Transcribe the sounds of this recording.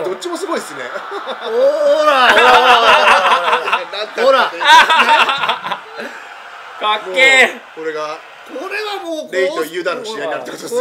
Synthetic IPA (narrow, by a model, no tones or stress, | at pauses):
d̪ot͡ɕ͈ːimo̞sɨɡo̞id̪sɨnḛ | ooɾa | aoɾa | kakːeːkoɾe̞ɡa | koɾeβamoɾeio̞jɯ̟d̪ãnːoɕiaiɲiaɾɯt̪ːekot̪ods